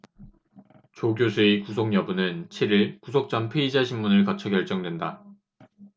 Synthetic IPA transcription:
t͡ɕoɡjosʰuekusʰoŋɲjʌbunɯnt͡ɕʰiɾiɭkusʰok̚t͡ɕ͈ʌnpʰeid͡ʑaɕʰimːunɯɭkʌt͡ɕʰʌkʲjʌɭt͡ɕ͈ʌŋdwe̞nda

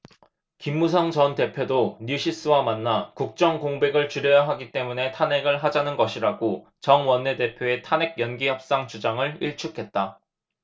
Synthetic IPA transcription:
kimːus̬ʰʌŋt͡ɕʌnte̞pʰjodoɲjuɕʰis͈ɯwamanːakuk̚t͡ɕ͈ʌŋkoŋbe̞ɡɯɭt͡ɕuɾjʌjaɦaɡit͈e̞mune̞tʰane̞ɡɯɭɦad͡ʑanɯnɡʌɕʰiɾaɡo | t͡ɕʌŋwʌnːe̞de̞pʰjoe̞tʰane̞ɡ̚jʌnɡiçjʌp̚s͈aŋt͡ɕud͡ʑaŋɯɭiɭt͡ɕʰukʰe̞t̚t͈a

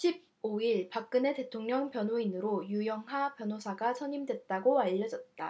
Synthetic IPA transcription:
ɕʰib̚ | oiɭpak̚k͈ɯne̞te̞tʰoŋɲʌŋpjʌnɦoinɯɾojujʌŋɦapjʌnɦosʰaɡasʰʌɲimdwe̞t̚t͈aɡoaʎːʌd͡ʑʌt̚t͈a

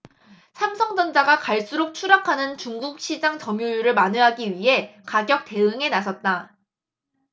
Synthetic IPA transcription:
sʰamsʰʌŋd͡ʑʌnd͡ʑaɡakaɭs͈uɾok̚t͡ɕʰuɾakʰanɯnt͡ɕuŋɡuk̚ɕʰid͡ʑaŋt͡ɕʌmjujuɾɯɭmanɯɦaɡiɥiɦe̞kaɡjʌk̚t͈e̞ɯŋe̞nasʰʌt̚t͈a

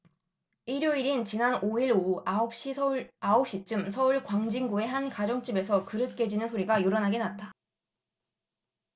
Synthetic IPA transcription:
iɾjoiɾint͡ɕinanoiɾoaop̚ɕ͈iaop̚ɕ͈it͡ɕ͈ɯmsʰʌuɭkwaŋd͡ʑiŋɡue̞ɦankad͡ʑʌŋt͡ɕ͈ibe̞sʰʌkɯɾɯt̚k͈e̞d͡ʑinɯnsʰoɾiɡajoɾʌnɦaɡe̞nat̚t͈a

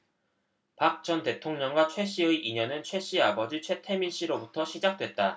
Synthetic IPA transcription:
pak̚t͡ɕ͈ʌnte̞tʰoŋɲʌŋɡwat͡ɕʰwe̞ɕ͈iɯiʔiɲʌnɯnt͡ɕʰwe̞ɕ͈iabʌd͡ʑit͡ɕʰwe̞tʰe̞minɕ͈iɾobutʰʌɕʰid͡ʑak̚t͈we̞t̚t͈a

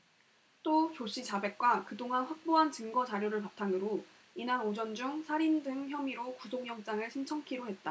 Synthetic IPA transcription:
t͈ot͡ɕoɕ͈it͡ɕabe̞k̚k͈wakɯdoŋanɸwak̚p͈oɦant͡ɕɯŋɡʌt͡ɕaɾjoɾɯɭpap̚tʰaŋɯɾo | inanod͡ʑʌnd͡ʑuŋsʰaɾindɯŋçjʌmiɾokusʰoŋjʌŋt͡ɕ͈aŋɯɭɕʰint͡ɕʰʌŋkʰiɾoɦe̞t̚t͈a

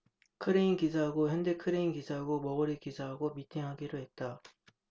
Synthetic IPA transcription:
kʰɯɾeinkisʰaɦaɡoçjʌnde̞kʰɯɾeinɡisʰaɦaɡomʌɡʌɾikisʰaɦaɡomitʰiŋɦaɡiɾoɦe̞t̚t͈a

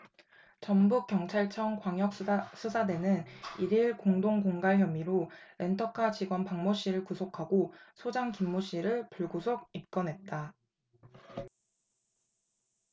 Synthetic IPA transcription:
t͡ɕʌmbuk͈̚jʌŋt͡ɕʰaɭt͡ɕʰʌŋkwaŋjʌk̚s͈ʰusʰade̞nɯniɾiɭkoŋdoŋkoŋɡaɭçjʌmiɾoɾe̞ntʰʌkʰat͡ɕiɡwʌnpaŋmoɕ͈iɾɯɭkusʰokʰaɡosʰod͡ʑaŋkimːoɕ͈iɾɯɭpuɭɡusʰoɡ̚ip̚k͈ʌnɦe̞t̚t͈a

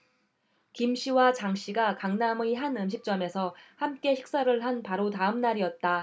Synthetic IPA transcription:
kimɕʰiwat͡ɕaŋɕ͈ʰiɡakaŋnamɯiɦanɯmɕʰik̚t͡ɕ͈ʌme̞sʰʌhamk͈e̞ɕi̥k̚s͈aɾɯɭɦanpaɾotaɯmnaɾiʌt̚t͈a

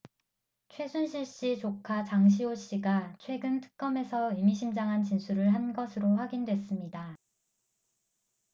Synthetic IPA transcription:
t͡ɕʰwe̞sʰunɕʰiɭɕ͈it͡ɕokʰat͡ɕaŋɕ̬ʰioɕ͈iɡat͡ɕʰwe̞ɡɯntʰɯ̥k̚k͈ʌme̞sʰʌimiɕʰimd͡ʑaŋɦant͡ɕinsʰuɾɯɭɦanɡʌsʰɯɾoɸwaɡindwe̞s͈ɯmɲida

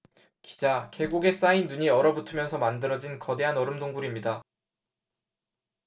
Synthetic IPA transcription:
ki̥d͡ʑake̞ɡuɡe̞s͈ainːuɲiʌɾʌbutʰɯmjʌnsʰʌmandɯɾʌd͡ʑinkʌde̞ɦanʌɾɯmdoŋɡuɾimɲida

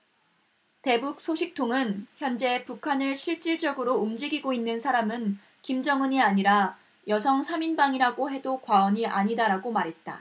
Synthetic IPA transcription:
te̞buk̚s͈ʰoɕʰik̚tʰoŋɯnçjʌnd͡ʑe̞pukʰanɯɭɕʰiɭt͡ɕ͈iɭd͡ʑʌɡɯɾoumd͡ʑiɡiɡoinːɯnsʰaɾamɯn | kimd͡ʑʌŋɯɲiaɲiɾa | jʌs̬ʰʌŋsʰaminbaŋiɾaɡoɦe̞dokwaʌɲiʔaɲidaɾaɡomaɾɦe̞t̚t͈a̰

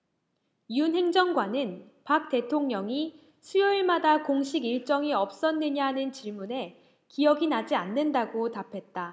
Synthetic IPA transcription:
iunɦe̞ŋd͡ʑʌŋɡwanɯnpak̚t͈e̞tʰoŋɲʌŋi | sʰujʌiɭmadakoŋɕʰiɡiɭt͡ɕ͈ʌŋiʌp̚s͈ʌnːɯɲanɯnt͡ɕiɭmune̞ | kijʌɡinad͡ʑianːɯndaɡotapʰe̞t̚t͈a

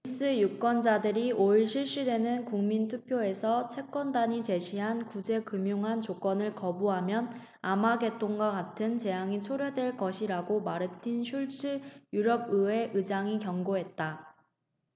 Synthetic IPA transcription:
is͈ɯjuk͈wʌnd͡ʑadɯɾioiɭɕʰiɭɕ͈idwe̞nɯnkuŋmintʰupʰjoe̞sʰʌt͡ɕʰe̞k͈wʌndaɲit͡ɕe̞ɕʰiɦankud͡ʑe̞kɯmjuŋɦant͡ɕok͈ʌnɯɭkʌbuɦamjʌn | amaɡe̞t͈oŋɡwakatʰɯnt͡ɕe̞jaŋit͡ɕʰoɾjʌdwe̞ɭkʌɕʰiɾaɡomaɾɯtʰinɕʰuɭt͡ɕ͈ɯjuɾʌb̚ɯwe̞ʔɯd͡ʑaŋikjʌŋɡoɦe̞t̚t͈a

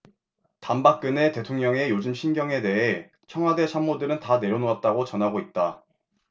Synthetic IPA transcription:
tambak̚k͈ɯne̞te̞tʰoŋɲʌŋe̞jod͡ʑɯmɕʰinɡjʌŋe̞de̞ɦe̞ | t͡ɕʰʌŋɦwade̞t͡ɕʰamːodɯɾɯntane̞ɾjʌnoat̚t͈aɡot͡ɕʌnɦaɡoit̚t͈a

